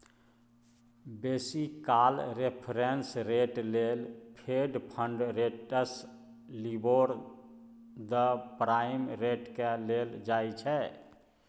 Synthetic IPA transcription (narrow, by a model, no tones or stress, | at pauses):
besikalɾepʰɾensɾeʈlelpʰeɖpʰəɳɖɾeʈəs | liboɾ | d̪əpɾajmɾeʈkeleld͡ʒajt͡ʃʰɛ